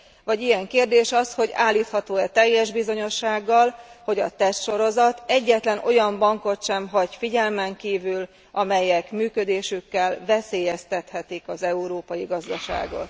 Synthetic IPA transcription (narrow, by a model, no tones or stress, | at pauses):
vɒɟijɛŋkeːrd̪eːʃɒsho̞ɟa̰ːlːiːt̪hɒt̪oːɛt̪ɛjːɛʒbizo̞ɲo̞ʃːaːɡːɒlho̞ɟɒt̪ɛst̪ʃo̞ɾo̞zɒt̪ɛɟːɛt̪lɛno̞jɒmbɒŋko̞t̪ʃɛmɦɒɟfiɟɛlmɛŋkiːvyl | ʔɒmɛjɛkmyːkød̪eːʃykːɛlvɛseːjɛst̪ɛt̪hɛt̪ikɒzɛuɾoːpɒjiɡɒzd̪ɒʃa̰ːɡo̞̰t̪